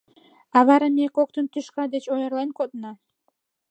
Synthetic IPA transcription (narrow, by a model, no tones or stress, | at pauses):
ɑβɑɾɑmekok̚t̪ənt̪yʃkɑd̪et͡ɕojərlˠɑnkot̪nɑ